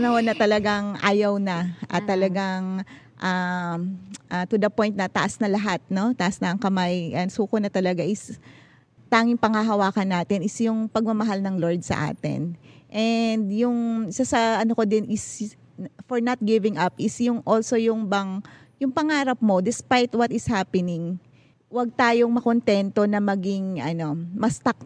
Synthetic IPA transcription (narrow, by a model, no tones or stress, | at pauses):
ɐnɐhonɐt̪ɐlɐɡaŋʔa̰ːjɐwnɐʔɐ̰t̪ːɐlɐɡaŋ | ʔa | ʔat̪ʊd̪ɐpo̞jnt̪̚nɐt̪ɐʔasnɐlɐɦat̪̚no̞t̪ɐʔɐsnɐɐŋkɐmajʔɐnsuːkonɐt̪ɐlɐɡaʔɪs | t̪aːŋɪŋpɐŋaɦɐwaːkɐnːaːt̪ɪnɪsjʊŋpɐɡ̚mɐmɐɦalnɐŋloɹd̪̚sɐ̰ʔa̰ːt̪ɪ̰nʔɛnd̪jʊŋɪsasɐʔɐnokod̪ɪnʔɪs | foɹnɐt̪̚ɡɪvɪŋʔɐpʔɪsjʊŋʔolso̞jʊŋbɐŋ | jʊŋpɐŋaːɾɐp̚mo̞d̪ɪspajt̪wɐt̪ɪshaːpɛnɪŋ | wɐɡ̚t̪aːjo̞ŋmɐko̞nt̪ɛnt̪o̞nɐmɐɡɪŋʔɐno̞mɐst̪ɐk̚